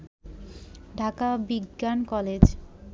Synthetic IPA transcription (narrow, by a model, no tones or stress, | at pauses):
ɖʱakabiɡːankɔled͡ʑ